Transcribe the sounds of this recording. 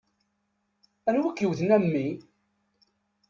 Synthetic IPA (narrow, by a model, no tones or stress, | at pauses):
ænwækːjəwθnæmːi